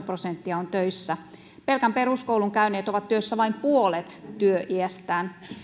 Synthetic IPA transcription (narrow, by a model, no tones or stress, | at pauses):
prosent̪ːiɑont̪øisːæ | pelkæmperuskouluŋkæyneːt̪oʋɑt̪t̪yøsːæʋɑimpuolet̪t̪yøʔiæst̪æːn